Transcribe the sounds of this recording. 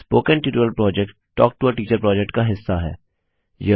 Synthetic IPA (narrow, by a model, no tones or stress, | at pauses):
spoːkɛ̃nʈɪːʈəlpɾɔːd͡ʒɛk̚ʈ | ʈːɔːk̚ʈuəʈiːt͡ʃəɾpɾɔːd͡ʒɛk̚ʈkaɦɪsːaɦɛ̰ː | je